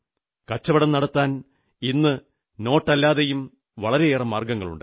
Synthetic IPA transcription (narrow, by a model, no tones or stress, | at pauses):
kɐt͡ɕːɐʋɐɽɐmnɐɽɐt̪ːaːn | inːɨ | no̞ːʈːɐlːaːðejum | ʋɐɭɐɾe̞eːrɐmːaːrɡɐŋːɐɭṵɳɖɨ